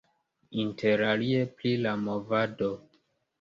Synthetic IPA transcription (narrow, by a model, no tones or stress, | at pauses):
intʰe̞ɾalie̞plilamo̞vado̞